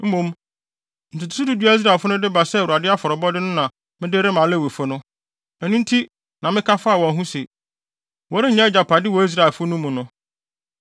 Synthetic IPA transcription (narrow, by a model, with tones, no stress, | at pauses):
m̩˦mũ˨m | n̩˨tʰu˨tʰʊ̥˨tʊ˦du˦di˦a˦i˦s̬ɾa˨fʊ˦nʊ̃˦dɪ˦ba˨sɛ˦˨u˨a˨dɪ˦a˦fɔ˨ɾɔ˨bɔ˦dɪ˦nʊ̃˦nã˨ | mɪ̃˦dɪ˦ɾɪ˦mã˨lɛ˦˨wi˨fʊ˦nʊ̃˦ | ɛ˨nũ˦n̩˦tʰi˦ | nã˨mɪ̃˦kʰa˦faː˦˨wɔ̃˨n˦ɦũ˦se˨ | wɔ˦ɾɪ˦˨ɲɛ̃˦d͡ʑa˨pʰa˨dɪ˦wɔ˨˦i˦s̬ɾa˨e˨lfʊ˦nũ˦mːũ˨nʊ̃˦